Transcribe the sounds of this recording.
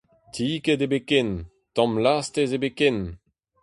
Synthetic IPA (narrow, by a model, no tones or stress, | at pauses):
t̪ʰiːkedebeken | tɑ̃mlast̪ezebeken